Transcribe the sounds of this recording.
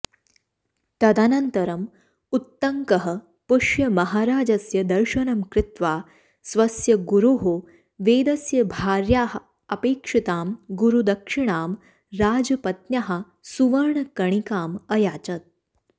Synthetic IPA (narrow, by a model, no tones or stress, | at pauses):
t̪ɐd̪anɐnt̪ɐɾɐm | ut̪ːɐŋkɐɦɐ | puʂjɐmɐɦaːɾaːd͡ʒɐsjɐd̪ɐɾʃɐnɐmkɾɪt̪ʋaː | sʋɐsjɐɡuɾuɦo | ʋeːd̪ɐsjɐbʱaːɾjaːɦ | ɐpeːkʂit̪aːmɡuɾud̪ɐkʂiɳaːm | ɾaːd͡zɐpɐt̪njaɦa | suʋɐɾɳkɐɳ̃ikaːmɐjaːt͡ʃɐt̪̚